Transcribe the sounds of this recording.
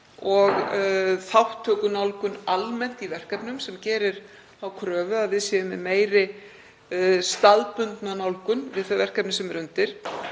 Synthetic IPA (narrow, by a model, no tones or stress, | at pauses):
ɔɣθawht̪ʰːœːkʏnawlkʏnalmɛn̥t̪ivɛr̥kɛpnʏmsɛmcɛːɾɪɾ̥ | awkʰɾœːvʏaðvɪðsjɛðʏmɪmeːjɾɪ | st̪aðpʏnt̪nanawlkʏnvɪðθœjvɛr̥kɛpnɪsɛmɾʏnt̪ɪɾ̥